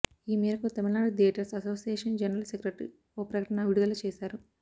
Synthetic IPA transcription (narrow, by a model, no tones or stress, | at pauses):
iːmiːɾɐkut̪ɐmilnaːɽudieʈɐɾsɐsoːsijeːʂɐnd͡ʒɐnɐɾɐlsekɾeʈɾḭ | oːpɾɐkɐʈɐnɐʋiɽud̪ɐlut͡ʃeːsaːɾu